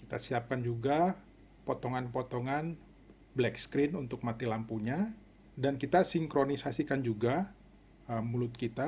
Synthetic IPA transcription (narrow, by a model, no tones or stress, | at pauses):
kit̪a̰siap̚kand͡ʒuɡa | pot̪ɔŋanpot̪ɔŋan | blɛkskɾɪnunt̪ʊk̚mat̪ilampuɲa | dankit̪asiŋkɾonisasikand͡ʒuɡa | əmulʊt̪̚kit̪a